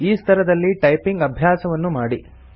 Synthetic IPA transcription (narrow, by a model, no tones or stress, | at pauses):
iːst̪ʰɐɾɐd̪ɐlːiʈɐjpiŋɡɐbʱjaːsɐʋɐnːumaːɽi